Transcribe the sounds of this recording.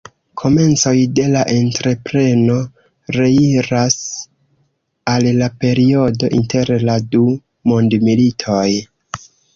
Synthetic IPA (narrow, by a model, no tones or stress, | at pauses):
kʰo̞me̞nt͡so̞jde̞laʔe̞ntɾe̞pɾe̞no̞ | ɾe̞iɾas | allape̞ɾio̞do̞ʔinte̞ɾladu | mondmilitʰo̞j